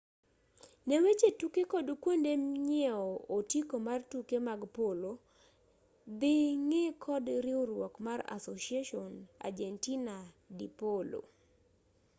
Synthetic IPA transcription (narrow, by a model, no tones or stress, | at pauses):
newet͡ʃetukekɔdkwondemɲɛɔotikomartukemaɡpolo | d̪ɪŋekʰɔdɾɪoɾwɔkmaɾa̰soʃiaʃɔna̰d͡ʒɛntina | dipolo̰